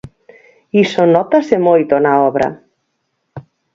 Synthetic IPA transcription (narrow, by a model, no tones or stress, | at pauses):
isonɔt̪asemojt̪onaɔβɾa̰